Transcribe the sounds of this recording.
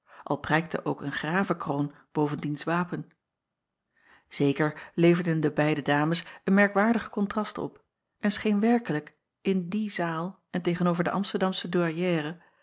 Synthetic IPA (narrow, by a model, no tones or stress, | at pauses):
ʔɑ̰lˠprɛjk̚tə̰ʔowkənχraːvəkrown | b̥owvəndinsʋaːpən | z̥ejkəɹlejvəɹdəndəbɛjdədaːməsənmɛɹkʋaːɹdəχə̥kɔntrɑstɔ̰p | ʔɛnsχejnʋɛɹkələk | ɪndizaːlˠ | ɛntejχənowvəɹdəʔɑmstəɹdɑmsəduaɹjɛːrə